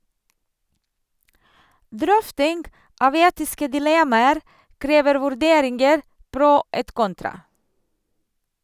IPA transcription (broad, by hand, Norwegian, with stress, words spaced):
ˈdɾœftɪŋɡ ˈʔɑːʋ ˈeːtɪskə dɪˈlɛmɑəɾ ˈkɾeːʋəɾ ʋʉɾˈdeːɾɪŋɡəɾ ˈpɾʊ ˈeːt ˈkɔntɾɑ